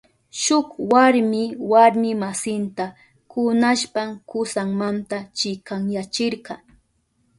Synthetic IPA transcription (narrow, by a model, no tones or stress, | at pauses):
ʃʊkwaɾmɪwaɾmɪmasɪnt̪a | kʊnaʃpamkʊsaŋmant̪at͡ʃɪkaŋjat͡ʃɪɾɢɑ